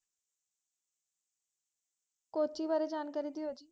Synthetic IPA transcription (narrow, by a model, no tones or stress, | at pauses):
koːt͡ʃiːʋaːɾeːd͡ʒaːnkaːɾiːd̪ioːd͡ʒiː